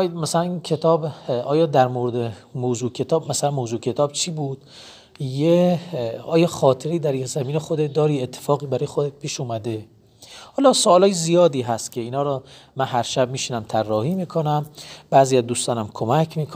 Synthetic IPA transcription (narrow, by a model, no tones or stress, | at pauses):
mæsælænincʰe̞t̪ʰɒːbɒːjɒːd̪æɾmoɾed̪e | moːzuːcʰe̞t̪ʰɒːbmæsælænmoːzuːcʰe̞t̪ʰɒːb̥t͡ʃʰiːbuːd̪̥̚ | je | ɒːjɒːxɒːt̪ʰeɾeiːd̪æɾjeczæmiːnexod̪ed̪ɒːɾiːet̪ʰːe̥fɒːɣiːbæɾɒːjexod̪et̪̚pʰiːʃuːmæd̪e | hɒːlɒsoɒːlɒːjezijɒːd̪iːɦæst̪cʰe̞iːnɒːɾɔːmænɦæɾʃæb̚miːʃinæmt̪ʰærːɒːhiːmiːkʰonæmb̥æːziːæd̪uːst̪ɒːnæmkʰomækʰmiːkʰ